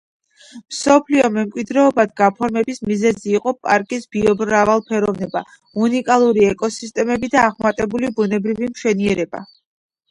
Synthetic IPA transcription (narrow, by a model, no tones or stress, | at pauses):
msɔpʰliɔmɛmkʼwid̪ɾɛɔbad̪ɡapʰɔɾmɛbismizɛziːqʼɔpʼaɾkʼisb̥iɔbɾɾavalˠpʰɛɾɔvnɛba | unikʼalˠuɾiɛkʼɔsist̪ʼɛmɛbid̪aːʁmat̪ʼɛbulibunɛbɾivimʃwɛniɛɾɛba̰